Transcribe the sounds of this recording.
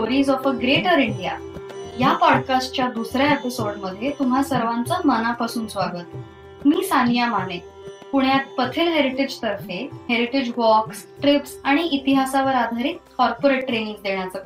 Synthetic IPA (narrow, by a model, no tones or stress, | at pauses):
sʈoɾiːzɔfəɡɾeʈəɾiɳɖija̰ | japɔɽkasʈ̚t͡ɕjad̪usɾjaepisoɽməd̪ʱjet̪um̤ɦasəɾʋãnt͡samənapasuːnsʋaɡəːt̪̚ | miːsanjamane | puɳjat̪̚pət̪ʰeːlɦeɾiʈed͡ʑt̪əɾfeɦeɾiʈed͡ʑʋɔksʈɾipsaɽ̃iːt̪iɦasaʋəɾad̪ʱaɾiːt̪̚kɔɾpoɾeʈːɾeniŋɡd̪eɳjat͡səːk